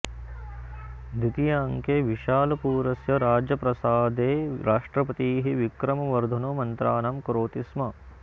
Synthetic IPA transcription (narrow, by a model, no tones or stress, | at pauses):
d̪it̪ijaːŋkeʋiʃaːlɐpuːɾɐsjɐɾaːd͡ʒjɐpɾɐsaːd̪eːɾaːʂʈɾɐpɐt̪iːɦiʋikɾɐmɐʋɐɾd̪ʱɐnumɐnt̪ɾaːnɐmkɾoːt̪ismɐ